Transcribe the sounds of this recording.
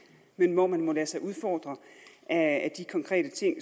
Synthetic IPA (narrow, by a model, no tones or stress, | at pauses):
menʋɒmænmɒ̽læɐsɑ̈ɪʔuð̞ˠfɒːd̥ʁɐʔæːd̥ikʰɒ̽ŋkʰʁɛ̰ːd̥ət͡sʰe̝ŋ̰